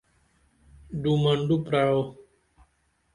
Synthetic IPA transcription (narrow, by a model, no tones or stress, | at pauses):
dumandupɾaw